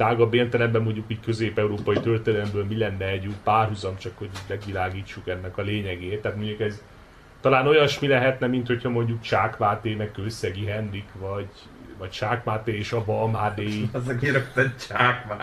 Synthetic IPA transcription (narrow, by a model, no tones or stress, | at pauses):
aːɡɒbeːnt̪ɛlɛmbɛmːo̞ɲɟukiːɟkø̞zeːpɛuɾoːpɒjit̪ørt̪elɛlɛmbøːlmilɛnːɛɛɟypaːrɦuzɒmt͡ʃɒkho̞ɟmɛɡʋilaːɡiːt͡ʃːukɛnːɛkɒleːɲɛɡeːt̪ːaːt̪mo̞ɲɟukɛz | t̪ɒlaːno̞jɒnʃmilɛɦɛt̪nɛmint̪ho̞chɒmo̞ɲɟukt͡ʃaːkmaːt̪eːmɛkkøsːɛɡiɦɛnrikʋɒɟ | vɒct͡ʃaːkmaːt̪eːeːʃɒbɒmɦaːd̪eːizɛɡeːɾɛkt̪ɛt͡ʃaːkma